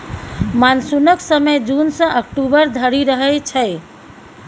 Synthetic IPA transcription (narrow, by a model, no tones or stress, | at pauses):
mansunəksəməjd͡ʒunsə̃ʔəkʈubəɾd̪ʱəɾiɾəɦəjt͡ʃʰəj